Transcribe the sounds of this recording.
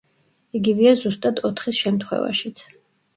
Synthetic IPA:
iɡiviazust̪ʼad̪ɔt̪ʰχisʃɛmt̪ʰχwɛ̰va̰ʃit̪sʰ

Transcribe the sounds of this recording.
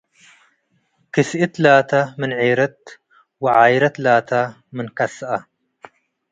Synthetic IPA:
kisʔit̪laːt̪amɪnʕiːɾɐt̪̚ | wɪʕaːjɾɐt̪laːt̪ʰa | mɪnkasʔa

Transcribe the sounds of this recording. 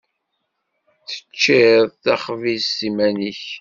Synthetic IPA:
θə̥t͡ʃːɪðˤθæχvisimæniç

